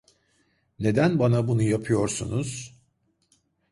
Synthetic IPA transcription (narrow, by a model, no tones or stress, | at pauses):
ne̞d̪ænbanabunujapʰɯjo̞ɾsṵnuz̥